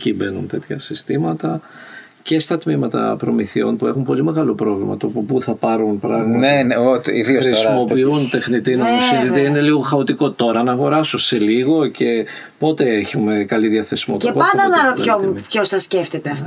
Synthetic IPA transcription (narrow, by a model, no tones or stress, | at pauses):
cibe̞nunt̪e̞t̪çɐ̰sist̪imɐt̪ɐ | ce̞st̪ɐt̪mimɐt̪ɐ̰pɾo̞miθio̞̰npue̞xumpo̞lime̞ɣɐlo̞pɾo̞vlimɐ̰t̪o̞ppuθɐpɐɾunpɾɐɣmɐneneoḭðioxɾisimo̞piunt̪e̞xnit̪inonosinðit̪eine̞liɣo̞xɐot̪iko̞t̪o̞ɾɐnɐːɣo̞ɾɐsose̞liɣo̞ce̞ | po̞t̪e̞eçume̞kɐliðiɐθe̞simot̪epoɐnd̪ɐnɐɾopçopçosθɐsceft̪et̪eɐft̪